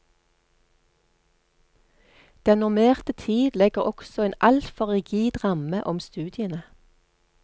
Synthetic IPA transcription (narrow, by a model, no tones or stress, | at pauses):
d̪̥ɛnʊʁmeːʁt̪ət̪ʰiːd̪lɛɡəʁɔksɔeːnʔɑlt̪fɔʁɪɡiːd̪ʁɑməʔɔmst̪ʉːd̪ɪənə